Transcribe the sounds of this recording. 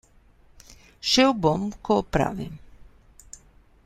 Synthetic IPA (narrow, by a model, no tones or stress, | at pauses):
ʃɛwbɔmkɔpɾa̰vḛ